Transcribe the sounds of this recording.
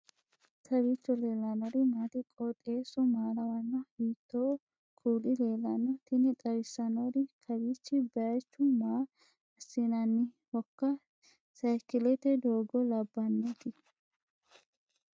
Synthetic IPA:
t̪ʰɐβiːt͡ʃːɔleːlːɐnɔɾɪmaːt̪ɪkʼɔt̪ʼe̞ːsɔmaːlɐwɐnːɐhiːt̪ːoː | kʰuːlɪle̞ːlɐnːɔt̪ɪnɪt̪ʼɐɾɪsːɐnɔɾɪkʰɐbiːt͡ʃːɪbɛɾɐjt͡ʃːʊmaː | ɐsːinɐnːɪ | hɔkːɐ | sɐjkɪlɛt̪ɛd̪oːɡɔlɐbːɐnːeːt̪ɪ

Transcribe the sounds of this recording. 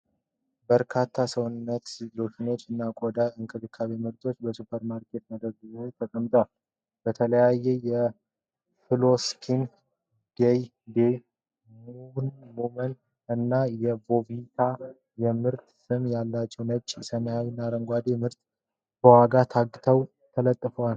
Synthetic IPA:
bəɾkʰat̪ʰːasəwʊnːət̪lofʰino̞t͡ʃːɨnːakʼod̪aɨŋkʰʼɨd̪ɨkʰːaβemɨɾt̪ʰʼo̞t͡ʃːbəsupʰəɾmaɾkʰe̞t̪̚məd̪əɾɡɨzat̪ʰəkʼəmːt̪ʼwal | b̥ət̪ʰələjajɛjɛ | fɨlo̞skʰin | d̪̥ej | d̪ej | munmumən | ɨnːajɛvo̞vit̪ʰa | jɛmɨɾt̪sɨmjalːat͡ʃːɛwnət͡ʃʼsəmjawinːaɾəŋɡʷad̪emɨɾt̪ | bəwaɡat̪ʰaɡːt̪ʰəw | t̪ʰələt̪ʼːɨfəwal

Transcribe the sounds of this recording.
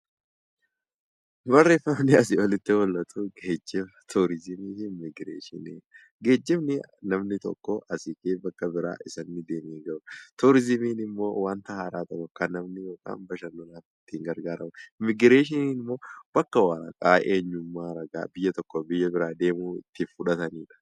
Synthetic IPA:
bɐrːeːfɐmnɪɐsɪɔlɪt̪ːɪwɔlːɐt̪ʰʼuɡeːd͡ʒːɪmɐt̪ʰuːɾɪzɪmiːɪmɪɡɾeːʃɪnḛː | ɡe̞ːd͡ʒːɪmnɪnɐmnɪt̪ɔ̰kʼːoʔɐsɪkʼeːbɐkːɐbɪɾa̰ːʔɪsɐnːɪd̪eːmeːŋɡɐʊt̪uːɾɪzɪmiːnɪmːo̞ːwaːnt̪ɐhaːɾaːt̪ɐkːɔkːɐnɐmnɪjoːkʼa̰ːnbɐʃɐnːɔlaːfɪt̪ːɪɪŋɡɐɾɡaːɾɐmɐmɪɡɪɾeːʃɪniːnɪmːo̞ːb̥ɐkːɐwaːɾɐ̰kʼaːʔeːɲːʊmːaːɾɐɡa̰ːbɪjːɐt̪ɔkːɔbɪjːɐbɪɾaːd̪e̞ːmuːɪ̰t̪ːɪfʊᶑɐt̪ɐniːᶑɐ̥

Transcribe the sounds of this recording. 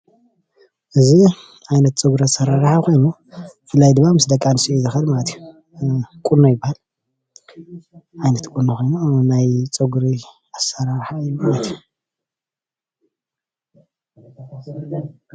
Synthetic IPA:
ʔɨzi | ʕajnɐt̪̚t͡sʼɨɡuɾasɐɾaɾħakʰo̞jnu | fɨlːajd̪ɨmːamɨsd̪ɐkʼanɨsiuzɨxɐlmalɐt̪ʰju | kʼuɾnojɪbːahal | ʕajnɐt̪kʼuɾnokʰo̞jnunajt͡sʼɨɡuɾi | asɐɾaɾħaɨjumalɐt̪ʰiju

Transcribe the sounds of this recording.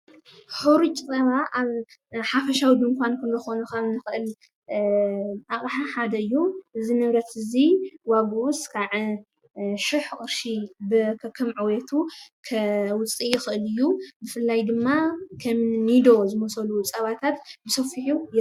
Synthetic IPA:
ħuɾut͡ʃʼsʼɐβaʔaβħafɐʃawid̪ɨŋkʰʷankʰɐnzɐxonɐxɐβnɨxɨʔɨl | ʔaχʼħaħad̪ɐɨjːuʔɨzinɐβɾɐt̪ɨziwaɡuʔuskʰaʕɨ | ʃiħχʼɨɾʃibɨkʰɐkʰːɨmʕɨwet̪ʰukʰɐwʊt͡sʼijɪxɨʔɨlɨjːubɨfɨlːajd̪ɨmːakʰɐmnid̪o̞zɨmosɐlut͡sʼɐβat̪ʰat̪bɨsɐfiħuj

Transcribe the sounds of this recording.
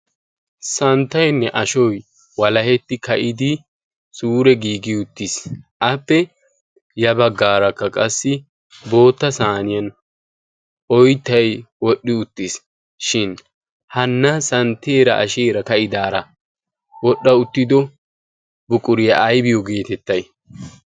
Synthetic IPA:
sɐnt̪ːɐjnːɛʔɐʃɔj | wɐlɐhɛt̪ːɪkɐʔɪd̪ɪ | suːɾɛɡiːɡɪʊt̪ːɪsʔɐpːɛ | jɐbɐɡːaːɾɐkːɐkʼɐsːɪ | bo̞ːt̪ːɐsaːnɪjɐn | ʔɔjt̪ːɐjwɔɗːɪʊt̪ːɪs | ʃɪn | hɐnːɐsɐnt̪ːeːɾɐʔɐ̰ʃeːɾɐkɐʔɪd̪aːɾɐ | wɔɗːɐʊt̪ːɪd̪ɔ | bʊkʼʊɾɪjɐʔːjbɪjɔɡe̞ːt̪ɛt̪ːɐj

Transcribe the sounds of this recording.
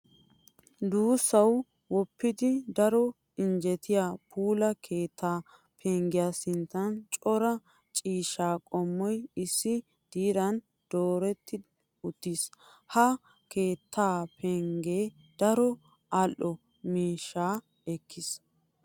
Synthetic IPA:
d̪uːsːɐw | wɔpːɪd̪ɪd̪ɐɾɔ | ɪnd͡ʒɛt̪ʰɪjaːpʰuːlɐkʰeːt̪ʰːaː | pʰeŋɡɪjaːsɪnt̪ːɐnt͡ʃʼɔɾɐ | t͡ʃʼiːʃaːkʼɔmːɔjɪsːɪ | d̪̥iːɾɐn | d̪̥oːɾɛt̪ʰːɪ | ʊt̪ːis | hɐ | ke̞ːt̪ʰːaːpʰɛŋɡeː | d̪̥ɐɾɔ | ʔɐlʔɔ | miːʃːaː | ɛkːɪs

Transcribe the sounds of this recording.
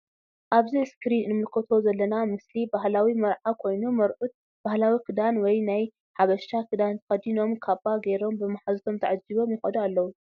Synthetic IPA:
ʔaβziɨskɾinɨmɨlkʰɐt̪ʰo̞zɐlːɐnamɨslibaɦlawimɐɾʕakʰo̞jnumɐɾʔut̪̚ | b̥ahlawikʰɨd̪anwɔjnaj | ħaβɐʃt̪akʰɨd̪ant̪ʰɐ̥xɐd̪ino̞mkʰabaɡeɾo̞mbɨmaħazt̪ʰo̞mt̪ʰɐʕad͡ʒːiβo̞mjɪxɐd̪ualːɐwu

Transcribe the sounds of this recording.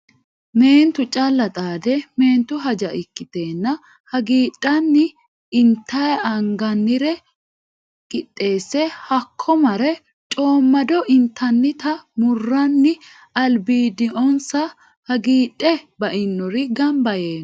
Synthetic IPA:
me̞ːnt̪ʊt͡ʃʼɐlːɐt̪ʼaːd̪ɛme̞ːnt̪ʊɦɐd͡ʒɐʔɪkːɪt̪e̞ːnːɐ | hɐɡiːɗʼːɐnːɪ | ɪnt̪ːɐjɐŋɡɐnːɪɾɛ | kʼɪtʼːe̞ːsːɛhɐkʰːɔmɐɾɛ | t͡ʃʼo̞ːmːɐd̪ɔʔɪnt̪ʰːɐnːɪt̪ɐmʊrːɐnːɪ | ɐlbiːd̪ɪʔɔnsɐ | hɐɡiːᶑʼːɛbɐʔɪnːɔɾɪɡɐmbɐjeːn

